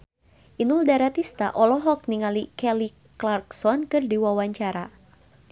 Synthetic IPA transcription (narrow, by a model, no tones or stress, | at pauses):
ʔinuldaɾat̪ist̪a̰ʔɔlɔɦɔk̚niŋalikɛli | klarksɔnkɨrdiwawaɲt͡ʃaɾa